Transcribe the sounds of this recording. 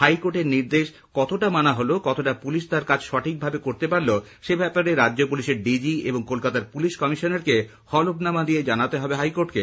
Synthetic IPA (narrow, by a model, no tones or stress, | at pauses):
hajkoʈeɾniɾd̪eʃ | kɔt̪oʈamanaɦolokɔt̪oʈapuliʃt̪aɾkad͡ʑʃɔʈʰik̚bʱabekoɾt̪epaɾlo | ʃebɛpaɾeɾadːʑopuliʃeɾɖid͡ʑiḛboŋkolkat̪aɾpuliʃkɔmiʃoneɾke | hɔlobnamad̪ijed͡ʑanat̪eɦɔbeɦajkoʈke